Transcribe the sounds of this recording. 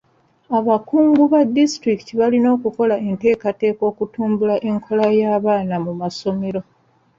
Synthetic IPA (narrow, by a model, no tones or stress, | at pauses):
aβakuːŋɡuβadːistɾikitiβalino̞ːkuko̞laʔe̞nte̞ːkate̞ːko̞ːkutuːmbulaʔe̞ŋkʰo̞lajaːβaːnamumaso̞me̞ɾo̞